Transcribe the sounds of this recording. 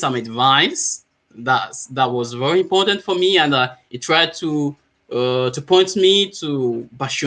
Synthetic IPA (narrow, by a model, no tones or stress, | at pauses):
sʌ̃mədvãɪ̃s | ðætðət̚wɔzvɛɹiɨ̃mpɔɹtə̃ntfə˞miə̃nɨtʰɹ̥aɪd̚tʰu | ʌtupʰɔ̃ɪ̃ntmitʰubaʃ